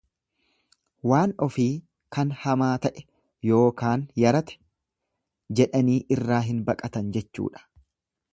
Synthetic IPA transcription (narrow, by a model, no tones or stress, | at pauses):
waːnɔfiː | kɐnhɐmaːt̪ɐʔɛ̥ | jo̞ːkaːnjɐɾɐt̪ɛ̥ | d͡ʒɛᶑɐniːʔɪrːaːɦɪnbɐkʼɐt̪ɐnd͡ʒɛt͡ʃːṵːᶑɐ̥